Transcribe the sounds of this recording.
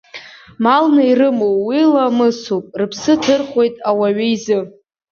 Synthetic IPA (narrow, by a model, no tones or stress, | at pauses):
malnairɨmowwilamɨsupʼrɨpʰsɨtʰɨrχʷe̞jtʼawaɥiizɨ